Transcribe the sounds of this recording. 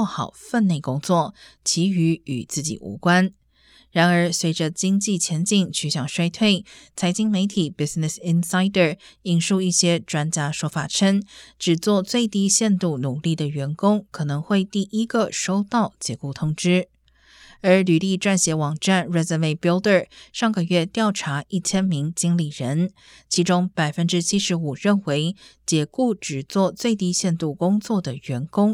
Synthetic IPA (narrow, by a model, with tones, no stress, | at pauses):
ɔ˥˧˩xɑ˨˩ʊfə˥˧nne˥˩ɪkʊ˥ŋt͡swɔ˥˩t͡ɕʰi˧˥y˧˥y̰˨˩t͡sɹ̩˥˩t͡ɕḭ˨˩ʔṵ˧˥kwa˥n | ɻa˧˥nə˞˧˥swe˧˥ɪʈ͡ʂə˧t͡ɕi˥ŋt͡ɕi˥˩t͡ɕʰjɛ˧˥nt͡ɕi˥˩ŋt͡ɕʰy˧˥ɕjɑ˨˩ŋʂwa˥ɪt̪ʰwe˥˩ɪt͡sʰa˧˥ɪt͡ɕi˥ŋme˧˥ɪt̪ʰi˨˩pi˧˥snɪ˨˩si˥nsa˥ɪd̪ə˥˨˩i˥˩nʂu˥˧i˥˩ɕjɛ˥ʈ͡ʂwa˥nt͡ɕja˥ʂwɔ˥fa˨˩ʈ͡ʂʰə˥ŋʈ͡ʂɻ̩˨˩t͡swɔ˥˧t͡swe˥˧ɪt̪i˥ɕjɛ˥˧nt̪u˥˩nu˨˩li˥˩d̪ə˩ɥɛ˧˥nkʊ˥ŋkʰɤ˨˩nɤ˧˥ŋxwe˥˧ɪt̪i˥˩ʔi˥ɡə˨ʂo˥ʊt̪ɑ˥˩ʊt͡ɕjɛ˧˥ku˥˩t̪ʰʊ˥ŋʈ͡ʂɻ̩˥ | ə˞˧˥ly˨˩li˥˧ʈ͡ʂwa˥˩nɕjɛ˧˥wɑ˨˩ŋʈ͡ʂa˥˩nɹɛ˥zə˧me˥˩ɪpi˧˥ld̪ə˥˩ʂɑ˥˩ŋɡə˧ɥɛ˥˧t̪jɑ˥˩ʊʈ͡ʂʰa˧˥i˥˩t͡ɕʰjɛ˥nmi˧˥ŋt͡ɕi˥ŋli˨˩ɻə˧˥n | t͡ɕʰi˧˥ʈ͡ʂʊ˥ŋpa˨˩ɪfə˥nʈ͡ʂɻ̩˥t͡ɕʰi˥ʂɻ̩˧˥u˨˩ɻə˥˩nwe˧˥ɪt͡ɕjɛ˧˥ku˥˩ʈ͡ʂɻ̩˨˩t͡swɔ˥˧t͡swe˥˧ɪt̪i˥ɕjɛ˥˧nt̪u˥˩kʊ˥ŋt͡swɔ˥˩d̪ə˩ɥɛ˧˥nkʊ˥ŋ